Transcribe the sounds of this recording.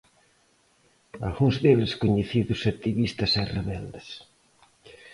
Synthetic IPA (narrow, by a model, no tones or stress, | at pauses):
a̰lɣuŋzðeβskoɲeθiðʊsat̪iβist̪ɐsɛreβɛld̪ɐs